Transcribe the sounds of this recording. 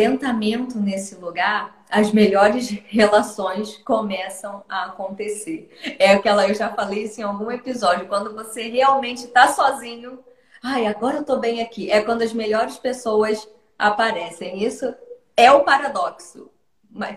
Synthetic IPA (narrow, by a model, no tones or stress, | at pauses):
ẽnt̪amẽnt̪ʊnesɪluɡaɾ | ɐzmeʎɔɾɪshelasõj̃skomɛsɐ̃w̃aːkõnt̪eseɾɛʊkɪɛlɐewʒafalejisẽawɡũepizɔd͡ʒjʊkwɐ̃nd̪ʊvoseɦeawmẽnt͡ʃɪt̪asɔzĩɲʊ | ajaɡɔɾɐewt̪obẽj̃akiʔɛkwɐ̃nd̪ʊɐzmeʎɔɾɪspesowɐs | a̰paɾɛsẽj̃isʊ | ɛʊpaɾad̪ɔksʊ | mɐs